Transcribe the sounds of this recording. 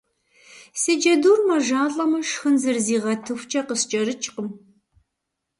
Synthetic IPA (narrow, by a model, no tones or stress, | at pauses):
sɨd͡ʒɐduːrmɐʒaːɬʼɐmɐʂxɨnzɨrziːʁɐtʰɨxʷt͡ʃʼɐqəst͡ʃʼɐɾɨt͡ʃʼqəm